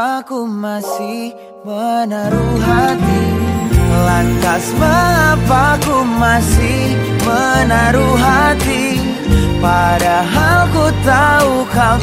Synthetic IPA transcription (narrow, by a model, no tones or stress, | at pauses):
akumasih | mənəɾuɦat̪i | lant̪asmaapakumasi | h | mənaɾuɦat̪i | padaɦalkut̪aukal